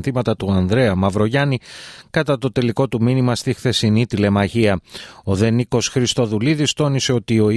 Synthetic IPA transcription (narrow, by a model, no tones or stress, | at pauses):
θimɐt̪ɐt̪uɐnðɾe̞ɐmɐvɾo̞ʝɐnikɐt̪ɐt̪o̞t̪e̞liko̞t̪uminimɐst̪ixθe̞sinit̪ile̞mɐʝiɐo̞ðe̞niko̞sxɾist̪o̞ðuliðist̪o̞nise̞o̞t̪io̞